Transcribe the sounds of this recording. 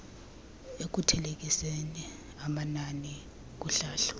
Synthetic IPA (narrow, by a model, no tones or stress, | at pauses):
ek̬utʰɛlek̬ʼiseni | amanani | k̬uɬaːɬu̥